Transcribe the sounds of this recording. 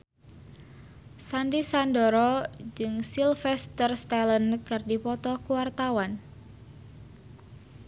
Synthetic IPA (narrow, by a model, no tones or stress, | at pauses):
sandisandɔɾɔd͡ʒɨŋsilfɛst̪ərst̪alənkɨrdipɔt̪ɔkuwart̪awan